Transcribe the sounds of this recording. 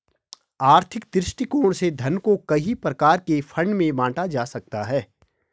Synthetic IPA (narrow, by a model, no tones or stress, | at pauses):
aːɾt̪ʰɪkd̪ɾɪʃʈikoːɽ̃sed̪ʱɐnkokɐɦipɾɐkaːɾkefʰɐ̃ɳɖmẽʋãːʈad͡ʒaːsɐk̚t̪aɦɛː